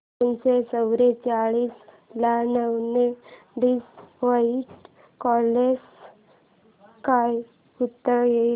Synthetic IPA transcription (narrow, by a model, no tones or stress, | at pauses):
ənsesəwɾet͡ɕaɭiːs | lanəwne | diːsʋəiʈ | kɔles | kaj | ut̪ːəɾje